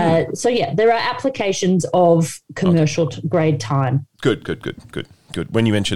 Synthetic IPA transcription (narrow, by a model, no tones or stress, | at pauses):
soʊjæðə˞əʔæpʰləkʰeɪʃɨ̃nzəv̥kʰəmɜˑ˞ʃl̩ˠɡɹeɪd̚tʰãɪ̃mɡ̥ʊd̚ɡ̥ʊ̰d̚ɡ̥ʊ̰d̥̚ɡ̥ʊ̰d̥̚ | ɡ̥ʊd̚wə̃njɨmɛ̃nt͡ʃɨ̃